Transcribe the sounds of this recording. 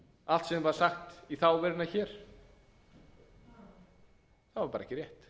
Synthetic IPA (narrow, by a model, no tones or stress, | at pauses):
al̥t̪sɛvaɾsaxt̪iθawvɛɾnaçɛːɾ̥ | θavaɾpaːɾɛçcɪɾjɛht̪